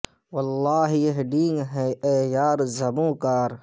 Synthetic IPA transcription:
wɐlːɑːɦijeɦɖiːŋɦeeːjaːɾzɐbũːkaːɾ

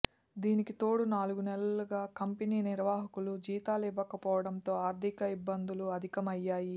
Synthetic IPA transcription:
d̪iːnikit̪o̞ːɽunaːluɡunɛlɐluɡaːkɐmpeniːniɾʋaːɦɐkulud͡ʒiːt̪aːlɛʋɐkɐpɔːʋɐɽɐnt̪o̞ːaːɾd̪ʱikɐibːɐnd̪uluɐd̪ʱikɐmɐjːaːji

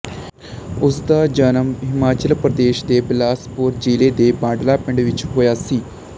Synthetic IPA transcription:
ʊsd̪aːd͡ʒənəmɦɪmaːt͡ʃəlpɾəd̪eːʃd̪eːblaːspʊːɾd͡ʒiːleːd̪eːbãːɖlaːpɪ̃ɳɖʋɪt͡ʃɦoːjaːsiː

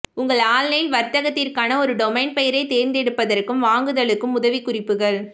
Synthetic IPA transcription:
ʊŋɡɐɭaːlːɐjɪlʋɐɾt̪ɐɣɐt̪ːɪrkaːnɐɔɾɯɖɔmɛɪnpɛjɪɾɐɪt̪eːɾnd̪ɛɽɯpːɐðɐrkɯmʋaːŋɡɯðɐɭɯkːɯmʊðɐʋikʊrɪpːɯɣɐɭ

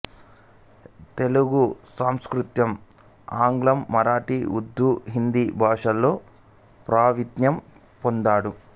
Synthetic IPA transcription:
t̪e̞luɡusaːmskɾut̪jɐm | aːŋɡlɐmːɐɾaːʈiud̪ʱːuɦind̪ibʱaːʂɐlːo̞ː | pɾaːʋit̪njɐm | pond̪aːɽu

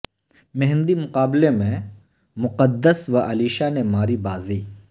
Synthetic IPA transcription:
mɛɦnd̪imʊqaːblemẽ | mʊqəd̪ːəsʋɐʔɐliːʃanemaːɾibaːziː

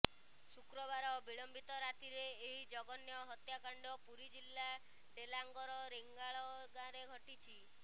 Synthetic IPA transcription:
sukɾɔβaɾɔbiɭɔmbit̪ɔɾat̪iɾeːɦid͡ʒɔɡɔnjɔɦɔt̪jakaɳɖɔpuɾid͡ʒilːa | ɖelaŋɡɔɾɔɾeŋɡaɭɔɡãɾeɡʱɔʈit͡ʃʰi

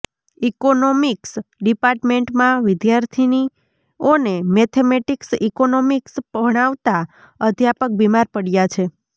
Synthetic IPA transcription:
ikonomiksɖipaɾʈmeɳʈmãʋɪd̪jaɾt̪ʰini | onemɛt̪ʰemeʈiksikonomiksəɽ̃aʋt̪a | əd̪ʱjapək̚bimaɾpəɽjat͡ʃʰe

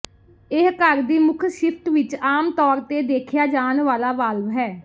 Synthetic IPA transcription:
ɪɦkəɾd̪iːmʊkʰʃɪpʈʋɪt͡ʃaːmt̪ɔːɾt̪eːd̪eːkʰjaːd͡ʒaːnʋaːlaːʋaːlʋɦɛː

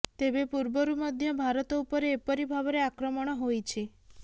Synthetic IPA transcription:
t̪ebepuɾbɔɾumɔd̪ʱjɔbʱaɾɔt̪ɔupɔɾeːpɔɾibʱabɔɾeakɾɔmɔɽ̃ɔɦojt͡ʃʰe

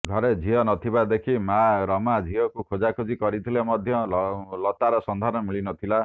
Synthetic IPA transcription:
ɡʱɔɾed͡ʒʱiɔnɔt̪ʰibad̪ekʰimaɾɔmad͡ʒʱiɦɔkukʰod͡ʒakʰod͡ʒikɔɾit̪ʰilemɔd̪ʱjɔlɔt̪aɾɔsɔnd̪ʱaɾɔnɔmiɭinɔt̪ʰila

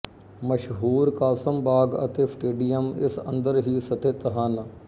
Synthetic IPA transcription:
məʃɦuːɾkaːsəmbaːɡə̰t̪eːsʈeːɖijəmɪ̰sə̰̃nd̪əɾɦiːsət̪et̪ɦən

